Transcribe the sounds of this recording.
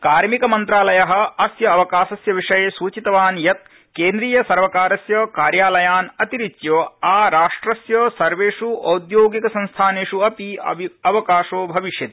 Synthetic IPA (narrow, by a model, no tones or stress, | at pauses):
kaːɾmikɐmɐnt̪ɾaːlɐjɐɦɐ̆ɐsjɐːʋɐkaːʃɐsjɐʋiʂɐjesuːt͡ʃit̪ɐʋaːnjɐt̪̚ | keːnd̪ɾiːjɐsɐɾʋɐkaːɾɐsjɐkaːɾjaːlɐjaːnɐt̪iɾit͡ʃjoːaːɾaːʂʈɾɐsjoːsɐɾʋeːʂuɐwd̪joːɡikɐsɐ̃nst̪ʰaːneːʂuɐpiɐ̰ɐʋɐkaːʂoːbʱɐʋiʃjɐt̪